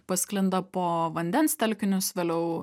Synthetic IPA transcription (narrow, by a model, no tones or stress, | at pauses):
pɐsʲklʲɪnd̪ɐpoːʋɐnʲd̪ʲɛnst̪ʲɛlʲkʲɪnʲʊsʋʲeːlʲɛʊ